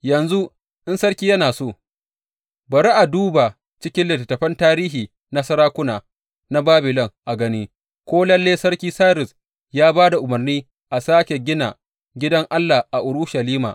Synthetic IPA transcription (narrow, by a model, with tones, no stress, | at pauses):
jɐ˨nzu˦ | ʔɪ˦nsɐ˦rkʲiː˦jɐ˦naː˨soː˦˨ | bɐ˨ɾi˦ʔa˨duː˦ba˨ | t͡ʃɪ˦kʲɪ˦nlɪ˨tːɐ˨tːɐ˨ɸɐ˦ntaː˦ɾiː˦ɦiː˨ | na˦sɐ˦ɾaː˦kʷʊ˦naː˨ | na˦baː˦bɪ˨lɔ˦ŋʔa˨ɡɐ˦niː˦ | kʷoː˦lɐ˦lːeː˦sɐ˦ɽkʲiː˦saː˦ɾɪ˨s | jaː˦baː˦da˨ʔʊ˨mɐ˨rniː˦ | ʔa˨saː˦kʲe˨ɡʲɪ˦na̰˨ | ɡʲɪ˦dɐ˦ŋʔa˦lːa˨ʔa˨ʔʊ˨ɾʊ˦ʃɐ˨liː˦ma̰˨ʔ